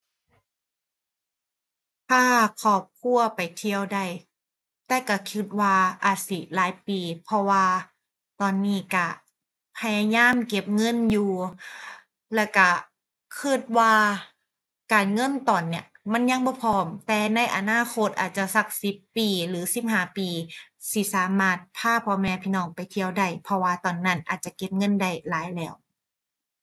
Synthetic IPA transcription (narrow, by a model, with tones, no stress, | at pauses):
t̪ʰaː˧˥˩kʰɔː˧˩p̚kʰu˧˥ɐpa˨˩jt̪ʰi˧əwda˧˩j | t̪ɛː˧˩ka˧˩kʰi˧˩t̪̚waː˧ʔaː˨˩t̪̚si˧˩laː˨˦jpiː˨˩pʰɔ˧waː˧ | t̪ɔː˨˩nːiː˧˩ka˧˩ | pʰa˧jaː˧jaː˧˥˨mke˧˩p̚ŋɤ˧˥˨njuː˧˩ | lɛː˧˩wka˧˩ | kʰɯː˧˥˩t̪̚waː˧ | kaː˨˩nŋɤ˧˥˨nt̪ɔː˨˩nːi˧˩ɐ | ma˧˥˨nja˧˨ŋbɔː˧˦pʰɔː˧˩mt̪ɛː˨˧˩na˧˥˨jʔa˨˩naː˧˥˨kʰo˧˥t̪̚ʔa̰ː˨˩t̪̚t͡ɕa˧sa˧k̚si˧˦pːiː˨lɯː˨˦si˧˦p̚ɦaː˧˩˦piː˨˩ | si˧˦saː˨˦maː˧˩t̪̚pʰaː˧˥˨pʰɔː˧mɛː˧pʰiː˧˥nɔː˧˩ŋpa˨jt̪ʰi˧əwda˧˩jpʰɔ˧waː˧t̪ɔː˨˩nːa˧˥˩nʔaː˨˩t̪̚t͡ɕa˧˩ke˧˥p̚ŋɤ˧˥˨nda˧˩jlaː˨˦jlɛː˧˩˨w